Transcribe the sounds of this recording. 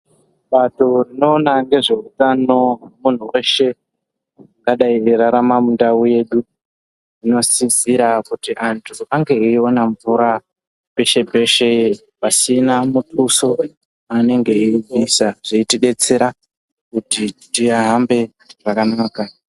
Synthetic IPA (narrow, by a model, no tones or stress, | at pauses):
ɓato̞rino̞ːnaŋɡe̞ʐe̞utano̞mun̤uwe̞ʃe̞ | ŋɡaɗaieɾaɾamamundauje̞ːɗu | ino̞siziɾakutiʔantʰuʔaŋɡe̞iio̞naɱvuɾa | pe̞ʃe̞pe̞ʃe̞ | pasinamutʰuso̞ | ane̞ŋɡe̞iivisaʐ̥eitiɗe̞t͡se̞ɾa | kutitiaɦambe̞ | ʐ̥akanaːka